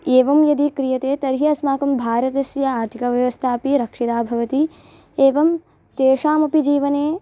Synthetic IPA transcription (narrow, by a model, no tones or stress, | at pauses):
eːʋɐmjɐd̪ikɾijɐt̪eːt̪ɐɾɦiɐsmaːkɐmbʱaːɾɐt̪ɐsjɐaːɾt̪ʰikɐʋjɐʋɐst̪ʰaːpiɾɐkʂid̪aːbʱɐʋɐt̪i | eːʋɐm | t̪eːʂaːmɐpid͡ʒiːʋɐneː